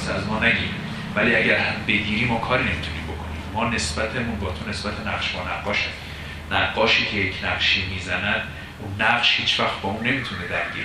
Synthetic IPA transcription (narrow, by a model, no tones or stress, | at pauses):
sæzmɒːnæɟiːm | væliːæɟæɾhæmbe̞ɡiːɾiːmːɒːkʰɒːɾiːne̞mit̪ʰuniːmbo̞̰kʰo̞nḭːmːɒːne̞sb̥æt̪ʰemunbɒːt̪ʰo̞ne̞sb̥æt̪ʰenæʁʃbɒːnæɡːɒːʃæsi | næɡːɒːʃiːcʰe̞jecʰnæqʃiːmiːzænæd̪̥ | unːæɢʃhiːt͡ʃʰvæxt̪̚b̥ɒːunːe̞miːt̪ʰuned̪æɾɟiːɾe